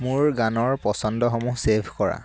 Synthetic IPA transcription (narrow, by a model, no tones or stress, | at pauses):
muɹɡanɔɹpɔsɔndɔxɔmusebʱkɔɹa̰